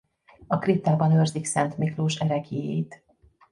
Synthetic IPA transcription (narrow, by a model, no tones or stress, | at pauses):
ɒkrit̪aːbɒnørziksɛnt̪mikloːʃɛɾɛɡeːjḛjt̪